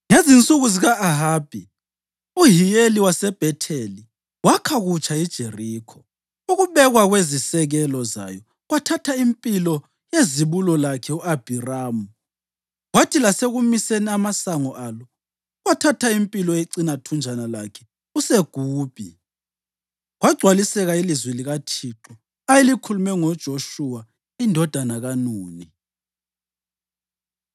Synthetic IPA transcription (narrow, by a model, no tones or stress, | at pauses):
ŋezint͡sʼuɣuziɣaːɦaːb̥ʱi | uɦijeliwasɛb̥ʱɛtʰeli | wakʰaɣut͡ʃʰʼaid̥ʒ̥ʱeriːkʰɔ | uɣuβɛɣwaɣwezisɛɣɛlɔza̰jɔ | ɣwatʰatʰaimpʼilɔ | jeziβulɔlakʰɛuab̥ʱiraːmu | ɣwatʰilaseɣumiseniamasaŋɔʔalɔ | ɣwatʰatʰaimpʼilɔjeǀinatʰund͡ʒʱanalakʰɛ | useɡ̥ʱuːb̥ʱi | ɣwaɡ͡ǀʱwalisɛɣailizwɛliɣatʰiǁɔ | ajelikʰulumɛŋɔd̥ʒ̥ʱoʃuwa | indʱɔd̥ʱanaɣanuːni